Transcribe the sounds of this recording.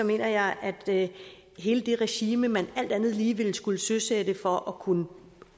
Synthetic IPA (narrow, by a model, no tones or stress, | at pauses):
sɒ̽me̝̰ːnɐjɑ̈ɪʔæd̥ | ɦe̝ːləd̥e̝ʁɛɕiːməmænæl̰d̥ænð̞̩ˠliːʋe̝l̰sɡ̥uləsøsed̥əfɒ̽ʔɒkʰunə